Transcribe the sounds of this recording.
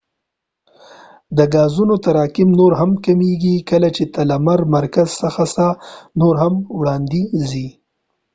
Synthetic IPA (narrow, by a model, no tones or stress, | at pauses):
d̪əɡɑːzunot̪aɾɑːkɪmnoɾɦamkamiɡikəlat͡ʃet̪alamaɾmaɾkazsəxasanoɾɦamwɽɑːnd̪izi